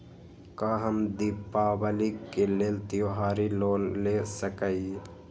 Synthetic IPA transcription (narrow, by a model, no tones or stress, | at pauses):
kaːɦəmd̪ipaːbəlikːeleːlt̪joɦaːɾiloːnlesəkəi